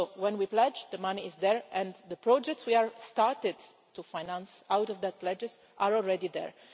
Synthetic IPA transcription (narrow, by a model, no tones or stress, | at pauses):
sowɛ̃nwiplɛd͡ʒd̪əmaniɪzd̪ɛɹɛ̃nd̪əpɹɔd͡ʒɛk̚tswiaɹst̪aɹtɪd | tufajnãnsawtɔvd̪ət̪̚plɛd͡ʒɪz | aɹɔlɹɛdid̪ɛ̰ɹ